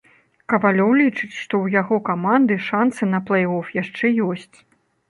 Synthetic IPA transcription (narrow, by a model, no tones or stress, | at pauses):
kɐvalʲɔwlʲit͡ʂɨt͡sʲʂt̪ɔwjaɣɔkamand̪ɨʂansɨnɐplˠɛjɔfjaʂt͡ʂɛjɔsʲt͡sʲ